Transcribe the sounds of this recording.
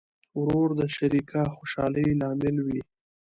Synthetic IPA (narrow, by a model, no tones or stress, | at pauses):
wɾoɾd̪əʃaɾikʰaxoʃɑləjlɑmɪlwi